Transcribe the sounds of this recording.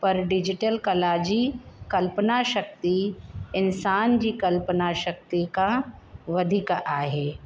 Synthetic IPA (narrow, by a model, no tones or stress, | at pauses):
pɐɾɖɪd͡ʒɪʈəlkɐlaːd͡ʒikɐlpənaʃɐk̚t̪iɪnsaːnd͡ʒikɐlpənaʃɐk̚t̪ikaʋɐd̪ʱɪkʔaːɦeː